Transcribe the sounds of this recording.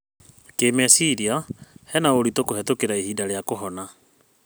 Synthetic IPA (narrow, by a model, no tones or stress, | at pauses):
keːmɛasiɾiahɛnaoɾitokohɛtokeɾaihiːdaɾeakoɦɔna